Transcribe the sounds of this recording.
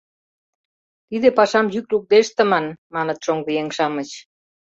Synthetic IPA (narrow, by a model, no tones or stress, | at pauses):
t̪id̪epɑʃɑmjykluk̚d̪eʃt̪ə̆mɑnmɑnə̆t̪ʃoŋβijeŋʃɑmə̆t͡ɕ